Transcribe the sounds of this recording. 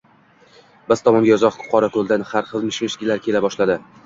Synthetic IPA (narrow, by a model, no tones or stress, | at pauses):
bɪzt̪ʰɒmɒŋɡʲajɒzɒqkʰʊ̥qʰɒɾakɵlˠd̪anhaɾχɨlˠmɪʃbeʃɡʲɪlaɾkʲʰe̞labɒʃlad̪ɪ